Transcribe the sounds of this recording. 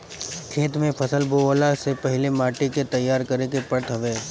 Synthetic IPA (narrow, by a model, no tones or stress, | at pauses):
kʰeːt̪mẽpʰɐsəlboolasepɐɦɪlemaːʈiket̪ɐjːaːɾkɐɾekepəɾt̪ʰɐʋeː